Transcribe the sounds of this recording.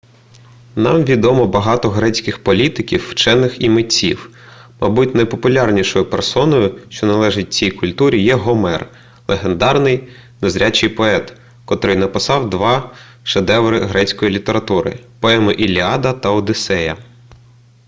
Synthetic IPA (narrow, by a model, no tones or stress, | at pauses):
nɑmʋʲid̪ɔmɔbɐɦɑt̪ɔɦɾɛt͡sʲkɪxpɔlʲit̪ɪkʲiwːt͡ʃɛnːɪximɪt͡sʲḭw | mɐ̰butʲnɐjpɔpʊlʲɑrnʲiʃɔjʊpersɔnɔjʊʃt͡ʃɔnɐlˠɛʒɪt̚ʲt͡sʲijkʊlʲt̪uɾʲijɛɦɔmɛr | lˠeɦend̪ɑrnɪj | nezɾʲat͡ʃɪjpɔɛt̪ | kɔt̪ɾɪjnɐpɪsɑwd̪ʋɑ | ʃed̪ɛʋɾɪɦɾɛt͡sʲkɔjilʲit̪eɾɐt̪uɾɪ̰pɔɛmɪʔilʲiɑd̪ɐt̪ɐɔd̪ɪsɛjɐ̰